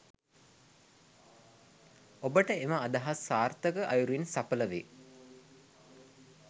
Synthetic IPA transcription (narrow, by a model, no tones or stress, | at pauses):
obəʈəeməːd̪aɦasːaːrt̪əkəʔajuɾuinsapələʋḛ